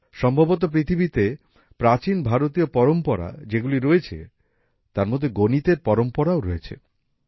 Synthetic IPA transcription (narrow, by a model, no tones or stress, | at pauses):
ʃɔmbʱabot̪̬op̬ɾit̪ʰibit̪e | pɾat͡ɕinbʱaɾot̪iopɔɾompɔɾa̰d͡ʑeɡuliɾoet͡ɕʰḛ | t̪aɾmod̪ʱːeɡonit̪eɾpɔɾompɔɾaoɾoet͡ɕʰḛ